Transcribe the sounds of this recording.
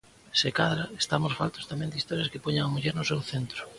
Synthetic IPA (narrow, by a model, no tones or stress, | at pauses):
sekaðɾaest̪amosfalt̪o̥st̪amɛ̃nd̪ist̪ɔɾjɐskɪpoɲaŋamuʎeɾnʊsewθent̪ɾʊ